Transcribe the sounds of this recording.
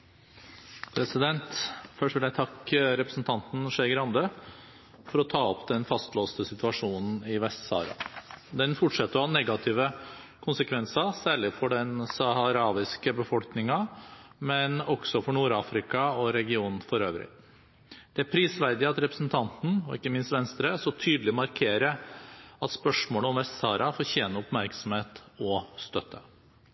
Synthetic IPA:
pʰɾɛsɪd̪ɛnt̪fœʂʈʋɪljæɪt̪ʰɑkːɾɛpɾəsn̩t̪ʰɑnt̪n̩ʂɛɡɾɑnd̪ə | fɔɾɔt̪ʰɑːɔpd̪ɛnfɑst̪loːst̪əsɪt̪ʉɑʂuːnn̩ɪʋɛst̪sɑ̰ːɾɑ̰d̪ɛnfʊʈʂɛt̪ːəɾɔhɑnɛɡɑt̪ʰiːʋə | kʰʊnsəkʰʋɛnsɑɾsæːɭɪfɔɖɛnsɑhɑɾɑːʋɪskəbəfɔlknɪŋɑmɛnɔɡ̥sɔfɔɳuːɾɑːfɾɪkɑɔɾɛɡɪuːnn̩fɔɾøːʋɾɪ̰ | d̪̥ɛæɾpʰɾiːsʋæɾd̪ɪɑt̪ɾɛpɾəsn̩t̪ʰɑnt̪n̩ɔ̰ɪkːəmɪnst̪ʋɛnst̪ɾəsɔt̪ʰyːd̪l̩ɪmɑɾkʰeːɾəɑt̪spœʂmoːləɔmʋɛst̪sɑːɾʔɑfoːɾçeːnəʊpmæɾksɔm̩heːt̪ɔst̪œt̪ʰːə

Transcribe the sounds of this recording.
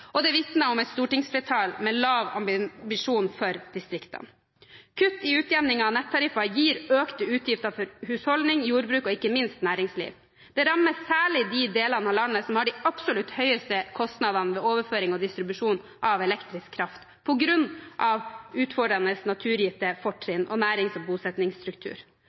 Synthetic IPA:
ʔɔd̪ɛʋɪt̪nəɔmɛɪt̪st̪uːʈɪŋsfɾɛt̪ʰɑːlmɛlɑːʋɑ̰mbɪbɪʂuːnfɔɾd̪̥ɪst̪ɾɪkt̪ə̰n | kʰʉt̪ːɪʉːt̪ʰjɛʋnɪŋɑnɛt̪ʰːɑɾɪfɑjiːɾøːkt̪əʉːt̪ʰjɪft̪əfɔɾhʉːshɔlnɪŋjuːɾbɾʉːkɔɪkːəmɪnst̪næːɾɪŋslḭːʋ | d̪̥ɛɾɑmːəsːæːɭɪd̪ɪd̪eːlɑnəɑlɑnːəsɔmhɑɖɪʔɑpsʊlʉt̪hœʏəst̪əkʰɔst̪nɑd̪ɑnəʋɛːoːʋəɾføːɾɪŋɔd̪ɪst̪ɾɪbʉʂuːn | ʔɑʋɛlɛkt̪ɾɪskʰːɾɑft̪ | pʰɔɡɾʉnʔɑʋʉːt̪fɔɖɾɑnəsnɑt̪ʰʉːɾjɪft̪əfɔʈːɾɪnʔɔ̰næːɾɪŋsɔbuːsɛt̪nɪŋst̪ɾʉkt̪ʰʉ̰ːɾ

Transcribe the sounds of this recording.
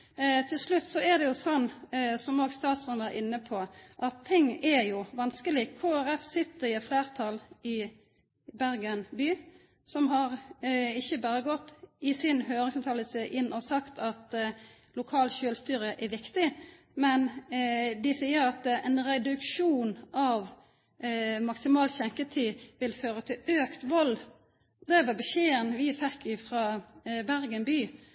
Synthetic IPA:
t̪ʰɪlslʉt̪ːsɔɛʁd̪ɛjʊsɔnsɔmoːɡst̪ɑːt̪sɔnd̪æɪnːəpʰɔʔɑt̪ʰːɪŋːɛɾjʊʋɑnskəlɪkʰːoːæɾɛfsɪt̪ːəɾɪɛt̪fleːɾt̪ʰɑlɪ | bæɾɡənbyː | sɔmɦɑʁɪçːəbɑːɾəɡɔt̪ːɪsɪnhøːɾɪŋsɑmt̪ʰɑːləsəʔɪnːʔɔsɑkt̪ʰɑt̪ | lʊkʰɑːlçøːlst̪yːɾəʔɛʋɪkt̪ɪ | mɛn | d̪ɪsiːəɾɑt̪ɛnɾɛd̪ʉkʃuːnʔɑʋ | mɑksɪmɑːlçɛŋkət̪ʰiːʋɪlføːɾət̪ʰɪløːkt̪ʋɑlː | d̪ɛʋɑbɛʃeːənʋɪfɛkːɪfɾɑːbæɾɡənbyː

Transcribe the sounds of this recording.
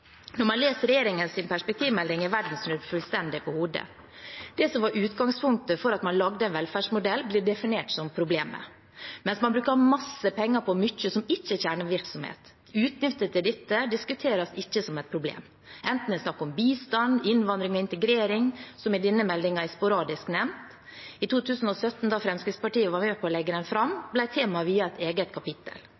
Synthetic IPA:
nɔɾmɑnleːst̪ɾɛjeːɾɪŋənsɪnpʰæʂpɛk̚t̪ʰiːʋmɛlːɪŋɪʋæɖn̩snʉɾfʉlst̪ɛnd̪ɪpʰɔhuːd̪ə̰ | d̪̥ɛsɔmʋɑɾʔʉːt̪ɡɑŋspʰʊŋk̚t̪əfɔɾɑt̪mɑnlɑɡd̪əɛɪnʋɛlfæːʂmʊd̪ɛlːbliːɖɛfɪneːʈsɔmpʰɾʊbleːmə̰ | mɛnsmɑnbɾʉːkəɾhɑmɑsːəpʰɛŋːɑpʰɔmʏçːəsɔmɪçːəçæːɳəʋɪɾksɔmhḛːt̪ | ʉːt̪nʏft̪ət̪ɪd̪ɪt̪ːəd̪ɪskʉt̪ʰeːɾɑsɪçːəsɔmɛt̪̚pʰɾʊblḛːm | ʔɛnt̪n̩ɛsnɑkːɔmbiːst̪ɑnd̪ɪnʋɑnd̪ɾɪŋɔɪnt̪əɡɾeːɾɪŋsɔmɪd̪ɪnːəmɛlːɪŋɑɛɪspʊɾɑːd̪ɪsknɛmt̪ | ɪt̪ʰuːt̪ʰʉːsn̩ɔsœt̪ːn̩d̪ɑfɾɛmskɾɪt̪spɑʈiːəʋɑɾmeːpʰɔːlɛɡːəd̪ɛnfɾɑmblæɪt̪ʰeːmɑʋiːɑɛt̪eːɡət̪̚kʰɑpɪt̪ːə̰l

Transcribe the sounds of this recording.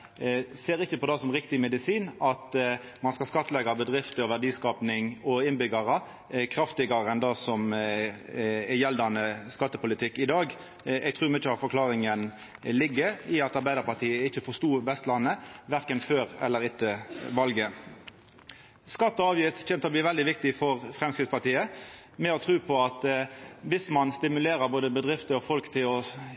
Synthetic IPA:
seːɾɪçːəpʰɔd̪ɑsɔmʁɪkt̪ɪmɛd̪ɪsiːnɑt̪ | mɑnskɑskɑt̪ːəlɛɡɑbəd̪ʁɪft̪əɔʋæʁɖiːskɑːpnɪŋɔɪnbʏɡɑʁə | kʰɾɑft̪ɪɡɑʁəɛnd̪ɑːsɔm | ɛjɛld̪ɑnəskɑt̪ːəpʊlɪt̪ʰɪkːɪd̪ɑːɡ | ɛɡ̚t̪ʰʁʉːɾmʉt͡ʃːəɑt̪fɔɾklɑːʁɪŋən | lɪɡːəɾɪɑt̪ɑɾbæɪd̪əɾpɑt̪ʰiːəɪçːəfɔʂt̪uːʋɛst̪lɑnːəʋæʁkənføːɾɛ̰lːəɾɪt̪ːəʋɑlɡə | skɑt̪ːəɑːʋjɪt̪çɛnt̪əɔbliːʋɛld̪ɪʋɪk̚t̪ɪfɔɾfʁɛmskʁɪt̪spɑʁt̪iːə | mɛɔt̪ʰʁʉːpʰɔɑt̪ʋɪsmɑnst̪ɪmʉleːɾəɾboːd̪əbəd̪ʁɪft̪əɔfɔlkt̪ʰɪlɔ

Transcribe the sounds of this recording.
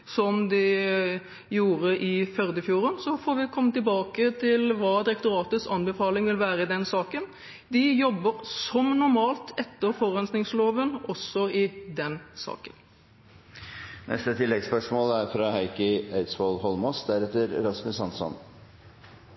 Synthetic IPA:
sɔmd̪ɛ | juːɾəʔɪfœɾd̪əfjuːɾənsɔfɔːɾʋɪkʰɔmːət̪ɪlbɑːkət̪ʰɪlʋɑːd̪ɪɾɛkt̪ʊɾɑːt̪əsɑnbɛfɑːlɪŋʋɪlʋæːɾəɪd̪ɛnsɑːkən | d̪ɪjɔbːəɾsɔmnʊɾmɑːlt̪ʰɛt̪ːəɾfɔɾœnsnɪŋsloːʋənɔsːɔɪd̪ɛnsɑ̰ːkən | nʔɛ̰st̪ət̪ʰɪlːɛɡspœʂmoːlæɾfɾɑhæɪkəæɪt̪sʋolhɔlmɔsd̪æɾɛt̪ːəɾɾɑsmɪsɑnsɔ̰n

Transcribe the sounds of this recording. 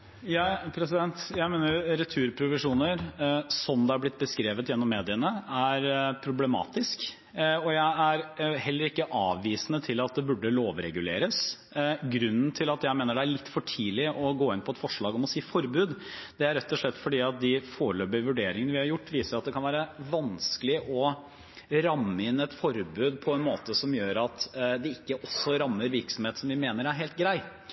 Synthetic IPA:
jɑpʰɾɛsɪd̪ɛnt̪jæɪmeːnəɾjɾɛt̪ʰʉːɾpʰɾʊʋɪʂuːnəɾsɔmd̪ɛæɾblɪt̪̚ːbəskɾeːʋət̪jɛnːɔmːeːd̪ɪənəæɾpʰɾʊblɛmɑ̰ːt̪ɪsk | ɔjæɪæɾhɛlːəɾɪkːəʔɑːʋːiːsənət̪ʰɪlɑt̪̚d̪ɛbʉɖːəloːʋɾɛ̰ɡʉlḛːɾəs | ɡɾʉnːn̩t̪ʰɪlɑt̪jæɪmeːnəɖɛæɭɪt̪ːfɔʈʰiːlɪʔɔɡoːɪnpʰɔɛt̪fɔʂɭɑːɡɔmɔsiːfɔɾbʉːd̪ | d̪ɛæɾɛt̪ːɔʂɭɛt̪ːfɔɖiːɑt̪̚d̪ɪfoːɭøːbəʋʉɖeːɾɪŋənəʋɪhɑɾjʊʈːʋiːsəɾɑt̪d̪ɛkʰɑnʋæːɾəʋɑnsklɪʔɔ | ɾɑmːəɪnɛt̪fɔɾbʉːd̪pʰɔɛnmoːt̪əsɔmjøːɾɑt̪d̪ɛɪkːəʔɔsːɔɾɑmːəɾʋɪɾksɔmheːt̪sɔmʋɪmeːnəɾæɾɦeːlt̪ɡɾæɪ

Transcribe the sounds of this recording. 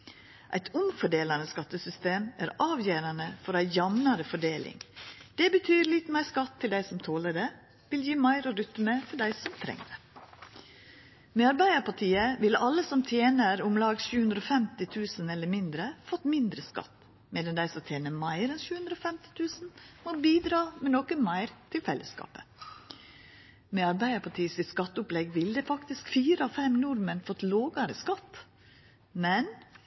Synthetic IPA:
ʔæ̰ɪt̪ʰʊmfɔɖeːlɑnəskɑt̪ːəsʏst̪eːmʔæːɾɑːʋjeːɾɑnəfɔɾæɪjɑmnɑɾəfɔɖeːlʔɪ̰ŋd̪̥ɛbət̪ʰyːɾlɪt̪mæɪskɑt̪ʰːɪld̪æɪsɔmt̪ʰoːləɖe | ʋɪljiːmɑɪɾɔɾʏt̪məfɔɖæɪsɔmt̪ʰɾɛ̰ŋə | meːɑɾbæɪəpɑʈʰiːəʋɪlɑlːəsɔmt̪ʰjeːnəɾʊmlɑːɡsʃʉːʉnd̪ɾoːfɛmt̪ɪt̪ʰʉːsənɛlːəɾmɪnd̪ɾəfɔt̪ːmɪnd̪ɾəskɑ̰t̪ | meːd̪ənd̪æɪsɔt̪ʰjeːnəmɑɪɾɛnʃʉːhʉnd̪ɾoːfɛmt̪ɪ̥t̪ʰʉːsn̩mobiːd̪ɾɑːmeːnɔkəmæɪɾt̪ʰɪlfɛlːəskɑ̰ːpə | meːɑɾbæɪəpʰɑʈʰiːsɪskɑt̪ːəʊplɛɡʋɪld̪eːfɑkt̪ɪskfiːɾəɑfɛmnʊɾmənfɔt̪loːɡɑɾəskɑt̪ | mɛn

